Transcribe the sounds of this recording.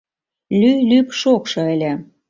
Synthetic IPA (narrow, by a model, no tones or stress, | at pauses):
lylypʃokʃɤ̆ə̆lʲĕ